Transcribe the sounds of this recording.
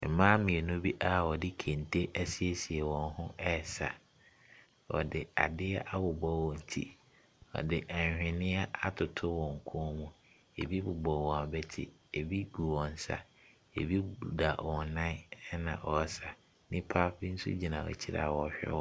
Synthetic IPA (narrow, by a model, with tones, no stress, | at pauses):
m̩˨mãː˦mɪ̃˨e˨nʊ̃˦bi˦ʔa˦ɔ˨dɪ˦kʰẽ˨n˨tʰe˦ʔæ˦si˦e˦si˨e˨wɔ̃˨n˦ɦʊ̃˦ɛ˦˨sa̰˨ | ɔ̰˨dɪ˨a̰˨dɪ˦ɛ˦ʔa˦bʊ˨bɔ˦wɔ̃˨n̩˨tʰḭ˦ | ɔ̰˨dɪ˨ʔɛ˨ɲ˨hᶣɪ̃˨nɪ̃˦a˦a˦tʰʊ˨tʰʊ˦wɔ̃˨ŋ̩˨kʰʊ̃˦mũ˨ | e˨bi˦bʊ˨bɔ˨wɔ̃˨a˨bɛ˦tʰɪ̰˨e˨bi˦ɡu˨wɔ̃˨n˨sa̰˨ | ḛ˨bi˦˨da˨wɔ˨nã˦nã̰˨ʔɔ˨˦sa˨ | nɪ̃˦pʰa˦fɪ˦n̩˦sʊ̰˦d͡ʑi˨nã˨ɔ̰˨t͡ɕʰi˦ɾa̰˨wɔ˨ɕᶣɛ̰˦wɔ˦